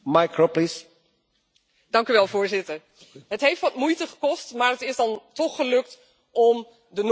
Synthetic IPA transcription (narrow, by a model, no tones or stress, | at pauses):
majkɹoplis | d̥ɑŋkyʋɛlˠvʊːɹzɪtəɹ | ɦətɦejftʋɑtmujtəχə̥kɔstmaːɹɦətɪzdɑntɔχəlɵk̚t | ɔm | dən